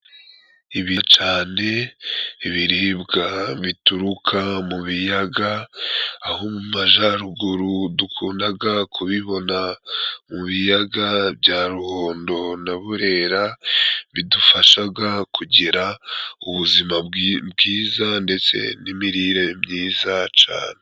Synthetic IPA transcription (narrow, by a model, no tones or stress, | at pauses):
iβit͡ʃaːne̞iβiɾibɡaβituɾukʰamuβijaɡaː | homumaʒaɾuɡuɾudukʰuːndaɡakʰuβiβo̞namuβijaɡabɟaːɾuho̞ːndo̞naβuɾe̞ɾaβidufaʃaɡakʰuɟiɾauβuzimabɡiːzande̞t͡se̞̰nimiɾiɾe̞mɲiːzat͡ʃa̰ːne